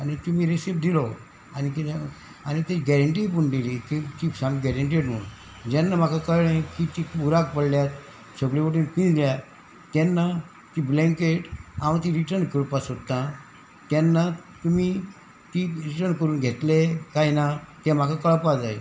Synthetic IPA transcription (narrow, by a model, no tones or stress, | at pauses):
anit̪um̤iːɾesip̚d̪ilɔ | anik | anit̪eɡɛɾəɳʈipuɳd̪elit̪et̪ipsãŋɡɛɾəɳʈ̬eɖm̤əɭu | d͡ʑɛnːam̤akʰakəɭɭẽkit̪ipuɾak̚pəɽljat̪ | səɡɭiʋoʈiːnpĩnd͡zlja | t̪ɛnːa | t̪iblɛ̃ŋkeʈãʋ̃t̪̬ĩɾiʈəɾnkəɾunpasot̪ːã | t̪janːat̪umi | t̪iɾiʈəɾnkəɾuːnɡʱet̪lekajnat̪ɛm̤akʰakəɭpad͡zaj